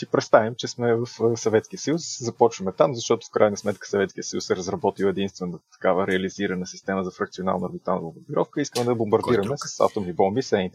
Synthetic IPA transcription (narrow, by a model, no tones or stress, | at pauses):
sipɾɛt̪st̪avimt͡ʃɛsmɛvɐfsɐvɛt̪skiəsɐjusd̪sɛzɐpɔt͡ʃvəmɛt̪amzɐʃt̪ɔt̪o̥fkɾajnəsmɛt̪kə̥sɐvɛt̪kijəsəjṵsɛɾəzɾɐbɔt̪ilwˠɛd̪inst̪vɛnət̪ɐ̥kavəɾɛɐliziɾənəsist̪ɛməzɐfɾɐkt̪siona̰lˠnəoɾbit̪alˠnlobobiɾɔfkəiskəmɛd̪ɐbombɐɾd̪iɾəmɛsɐsa̰ft̪omibɔmbisɛnit̪